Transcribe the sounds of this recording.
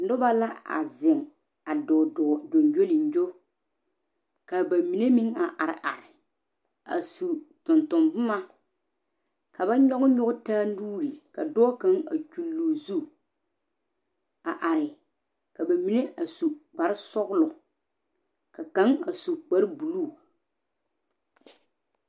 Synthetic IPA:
nʊ˦ba˦la˦a̰˨zɪ˨ŋ | a˨do˨nd͡ʒo˦li˨nd͡ʒo˦ | ka˨ba˨mi˨ne˦mi˦ŋa˨ʔa˨ɾɪ̰˨ʔa˨ɾɪ˨ | a̰˨su˨tʊ˨ntʊ˨mbʊ˦ma˦ | ka˨ba˦ɲɔ˦ɣʊ˦ɲʊ˦ɡʊ˦taː˦nuː˦ɾi˨ka˨dɔː˦ka˦ŋa̰˨t͡ʃu˦lːuː˨zu˦ | a˨ʔa˨ɾɪ˨ | ka˨ba˨mi˨ne˦ʔa˨su˨k͡pa˨ɾɪ˦sɔ˦ɣʊ˦lʊ˨ | ka˨ka˨˦ŋa˨su˨k͡pa˦ɾbu˨luː˦˨

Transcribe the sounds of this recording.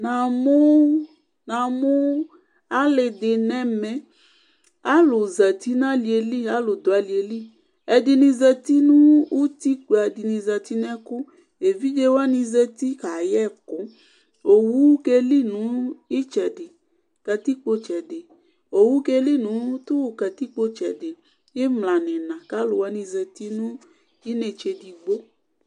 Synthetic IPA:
nã˨mo˦ | nã˨˧mo˦ | a˦le˧de˧nɛ˦mɛ̃˦ | a˦lo˨za˨ti˨˦nã˦li˧e˧li˦˨a˦lo˨do˨a˨li˨˧e˧li˦˨ | ɛ˧di˧nĩ˧zɛ˧ti˦nũ˦u˦ti˦k͡pe˨˧a˧di˧nĩ˧za˧ti˦nɛ˦kʊ˦ | e˨vi˦d͡ʒe˧wa˦nĩ˧zɛ˧ti˦ka˨jɛ˦˨kʊ̃˨˦ | o˨wu˦ke˧li˦nũ˨˦i˦t͡ʃɛ˨de˨ | kɛ˧t̪i˦k͡po˧t͡ʃɛ˨de˨ | o˨wu˦ke˧li˦˨nũ˨˦t̪u˦wkɛ˧t̪i˦k͡po˦t͡ʃɛ̰˨de˨ | je˦mla˨nɛ̃˨nã˨ka˦lo˨wa˦nĩ˧zɛ˧ti˦nũ˦ | i˦ne˦t͡ʃe˧di˧ɡ͡bo˦

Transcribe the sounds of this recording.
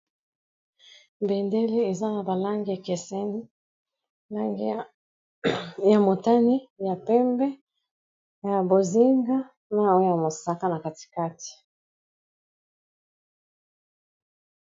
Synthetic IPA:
bɛ˨ndɛ˦le˦e˨za˦na˨ba˨la˦ŋɡi˦˨kɛ˨sɛ˦ni˦ | la˦ŋɡi˦ | ja˨mo˨ta˦ni˦ja˨pɛ˦mbɛ˦ | ja˨bo˨zi˦ŋɡa˦ | na˨o˦jo˦ja˨mo˨sa˨ka˦na˨ka˨ti̥˨ka˦ti̥˨

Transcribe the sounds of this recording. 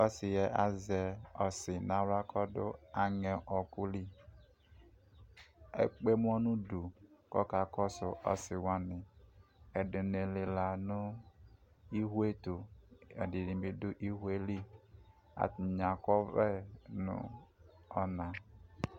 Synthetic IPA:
ɔ˦si˨jɛ˨ʔa˦zɛ˨ɔ˨sɪ˨na˨ɾa˦kʰɔ˦dʊ̰˦a˨ŋɛ˨ʔɔ˨ku˦li˦ | ḛ˨k͡pe˦m˦ɔ˦nu˦du˨kɔ̰˦ka˨kɔ˦sʊ˨ʔɔ̰˦si˨wa˦nɪ˨ | ɛ˨du˨ne˨le˨la˨nu˦ | i˦ɦʷe˦tu˨ɛ̰˨di˨di˨bi˨du˦ʔi˦ɦu˦e˦li˦ | a̰˨tɲa˨kɔ˦vɛ˦nṵ˨ | ɔ˦na˨

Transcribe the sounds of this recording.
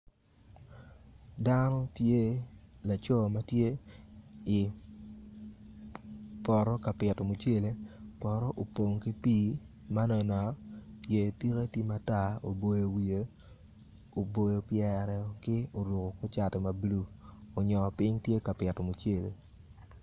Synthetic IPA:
da˦nɔ˦tje˦la˨t͡ʃɔ˦˨ma˦tje˦ | ɪ˨ | pɔ˨ɾɔ˦ka˨pɪ˨tɔ˨mu˨t͡ʃe˦le˨pɔ˨ɾɔ˦ʔo˨po˨ŋki˦pi˦ | ma˦nɔ˨na˨je˨ti˦ke˦ti˦ma˨ta˦˨o̰˨bo˨jo˨wi˨e˨ | o˨bo˨jo˨pjɛ˨ɾɛ˨kɪ˦o˨ɾu˨ko˨ko˦t͡ʃa˨tɛ˨ma˨blu˦o˨ɲɔ˨pɪ˦ɲtje˦ka˨pɪ˨tɔ˨mu˨t͡ʃe˦˨le˨

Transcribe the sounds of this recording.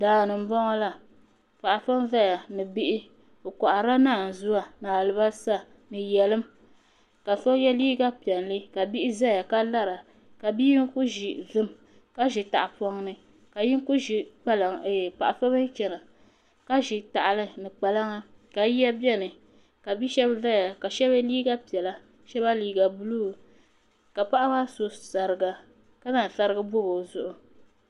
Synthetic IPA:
daː˨nɨ˨m̩˦bɔ˦ŋɔ˦la˦ | pa˨ʔa˨fa˦m˦vɛ˦ja˨nɨ˨bi˦ʔɪ˦ | o˨kɔ˨ʔa˨ɾa˦naː˦˨n̩˨zu˦a˦naː˨lɨ˨˦ba˦sa˦ | nɨ˨jɛ˨lɨ˦m | ka˨sɔ˦jɛ˦liː˦ɡa˦pi˨ɛ˨nlɨ˦ka˨bi˦ʔɪ˦za˦ja˨ka˦la˦ɾa˨ | ka˨bi˦ŋ˦ku˦ʒi˨vɨ˦m | ka˦ʒɪ˨ta̰˨ʔa˨pɔ˦ŋnɨ˦ | ka˨ji˦ŋ˦ku˦ʒi˨k͡pa˦la˨ŋ˨pa˨ʔa˨fa˦bɨ˦ŋ˦t͡ʃɛ˨na˨ | ka˦ʒi˨ta˨ʔa˨lɨ˦nɨ˨k͡pa˨la˦ŋa˦ | ka˨˦ji˦a˦bjɛ˦nɨ˨ | ka˨bi˦ʃɛ˦bza˦ja˨ka˨ʃɛ˦bɨ˦liː˦ɡa˦pi˨ɛ˨la˦ | ʃɛ˦ba˦liː˦ɡa˨bu˦lu˦˨ | ka˨pa˦ʔa˦ba˦so˨sa˨ɾɨ˨ɡa˨ | ka˦na˨ɬa˦ɾɨ˦ɡɨ˦bo˦ɡo˨zʊ˨ʔʊ˨

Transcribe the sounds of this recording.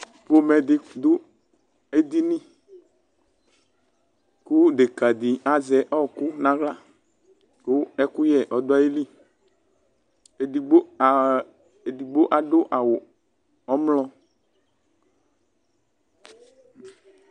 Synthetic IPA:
po˦mɛ˨dɪ˦d̪ʊ˦ | e˦d̪i˦nĩ˦ | ku˦ɖe˨ka˨d̪i˨a˨zɛ˦ʔɔ˦˨ku˦nã˨ɣla˦ | ko˦ɛ˦ku˦jɛ˨ʔɔ˨d̪ʊ˦a˦je˦li˦˨ | i˨ɡ͡bo˦˨ | e˨di˨ɡ͡bo˦ʔa˨ɖo˦ʔa˨wo˨ | ɔ˦mlɔ˦

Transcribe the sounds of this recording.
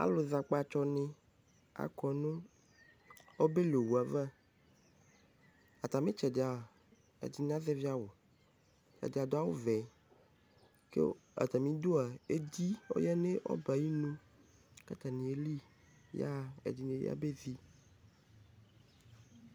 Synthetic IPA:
a̰˦lo˨za˨k͡pa˦˨t͡ʃɔ˦nẽ˦ | a̰˨kɔ˨nũ˦ | o˦be˦lo˨wu˨a˨va˦ | a˨t̪a˨mẽ˦t͡ʃɛ˨da˨ | ḛ˨di˨n˦a˦zɛ˦vi˦a˨wo˨ | t͡ʃa̰˨de˨a˨d̪o˦a˦wo̰˦vɛ˨ | kḛ˦a̰˨t̪a˨mĩ˦d̪o˦a˨e˦d̪i˦wo̰˦jɛ˦ne˦ʔɔ̰˦ba˨ji˦nũ˦ | ka˦t̪a˨nĩ˨e˨li˦ | ja̰˦ḛ˨di˨nĩ˨ja̰˦be˦zi˦

